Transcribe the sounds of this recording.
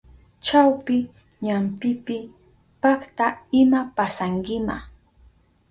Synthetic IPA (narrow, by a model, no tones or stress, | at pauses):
t͡ʃawpɪ | ɲampɪpɪ | pakt̪aɪmapasaŋkɪma̰